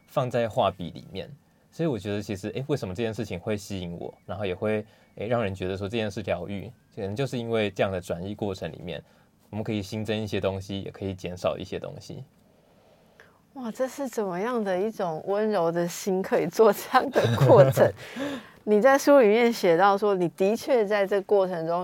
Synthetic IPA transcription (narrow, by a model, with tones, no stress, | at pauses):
fɑ˥˧ŋt͡sa˥˧ɪxwa˥˨pḭ˨˩lḭ˨˩mjɛ̰˥˩n | swɔ˧˥i˨wɔ˨˩t͡ɕɥɛ˧˥d̪ə˧t͡ɕʰi˧˥ʂɻ̩˧ʔe˥˩ɪwe˥˩ɪʂə˧˥mə˦ʈ͡ʂɤ˥˧t͡ɕjɛ˥˧nʂɻ̩˥˩t͡ɕʰi˨˩ŋxwe˥˩ɪɕi˥i˧˦ŋwɔ̰˨˩˦na˧˥nxo˥˩ʊjɛ˨˩xwe˥˧ɪ | e˥ɪɻɑ˥˩ŋɻə˧˦nt͡ɕɥɛ˧˥d̪ə˨˩ʂwɔ˥ʈ͡ʂɤ˥˧t͡ɕjɛ˥˧nʂɻ̩˥˩ljɑ˧˥ʊy̰˥˨ | ə˨nə˦ŋt͡ɕjo˥˧ʊʂɻ̩˥˩˧i˦˥nwe˥˧ɪʈ͡ʂɤ˥˧jɑ˥˩ŋd̪ə˩ʈ͡ʂwa˨˦ni˥˧kwɔ˥˩ʈ͡ʂʰə˧˦ŋlḭ˨˩mjɛ̰˥˩n | wmə˦kʰɤ˧˥i˨˩ɕi˥ŋʈ͡ʂə˥˦ni˥˩ɕjɛ˥˦t̪ʊ˥ŋɕi˦jɛ̰˨˩kʰɤ˧˥i˨˩t͡ɕjɛ˧˥nʂɑ˨˩ʊʔḭ˥˩ɕjɛ˦t̪o̰˥ŋɕḭ˦ | wa˥˩ʈ͡ʂɤ˥˧ʂɻ̩˥˩t͡sə˨˩nmə˦jɑ˥˩ŋd̪ə˨i˥˩ʈ͡ʂʊ˨˩ŋwə˦nɻo˧˥ʊd̪ə˨ɕi˥nkʰɤ˧˦˥i˨˩t͡swɔ˥˧ʈ͡ʂɤ˥˧jɑ˥˩ŋd̪ə˨kwɔ˥˩ə˧˦ŋ | ni˨˩t͡sa˥˩ɪʂu˥li˨˩mjɛ˥˩nɕjɛ˨˩t̪ɑ˥˩ʊʂwɔ˦˥ni˨˩t̪i˧˥t͡ɕʰɥɛ˥˧t͡sa˥˧ɪʈ͡ʂɤ˥˩ɡə˩kwɔ˥˩ə˧˦ŋʈ͡ʂʊ˥˦ŋ